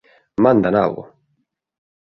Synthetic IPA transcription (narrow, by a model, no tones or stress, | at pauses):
mand̪ana̰lɣo̰